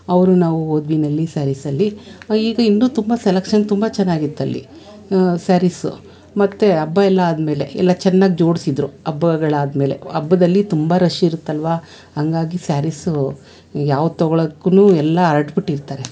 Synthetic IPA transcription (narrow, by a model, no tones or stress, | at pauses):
ɐʋɾunaːʋuɦoːd̪ʋiːnɐlːisaɾisɐlːiiːɡɐinːuːt̪umbɐselekʂɐnt̪umbɐt͡ʃɛnːaːɡit̪ːɐlːḭ | saːɾisṵ | mɐt̪ːeɐbːɐɛlːɐaːd̪me̞ːle̞ɛ̰lːɐt͡ʃɛnːaːɡid͡ʒo̞ːɽisid̪ɾuɐbːɐɡɐɭaːd̪me̞ːle̞̰ɐbːɐd̪ɐlːit̪umbɐɾɐʃiːɾut̪ːɐlʋaː | hɐŋɡaːɡisaːɾis | jaːʋt̪ɔɡɐɭɐkːunuːɛlːɐɾɐʈbiʈːiɾt̪aːɾe̞